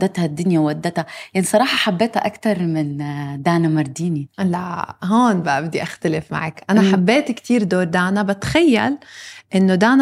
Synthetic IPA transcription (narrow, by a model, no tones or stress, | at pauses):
d̪ːat̪had̪ːʊnjawʔad̪ːat̪hajaʕnisˤɑɾˤɑːħɑħabːeːt̪haʔakt̪ɑɾˤmɪnd̪aːnamɑɾˤd̪iːnilaɦoːnbaʔabd̪iʔaxt̪alɪfma̰ʕakʔanaħabːeːt̪ikt̪iːɾd̪oːɾˤd̪aːnabat̪xajːa̰lʔɪnːod̪aːn